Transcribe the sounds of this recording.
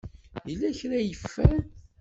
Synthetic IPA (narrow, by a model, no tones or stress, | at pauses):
jilːæçɾæjəfːæn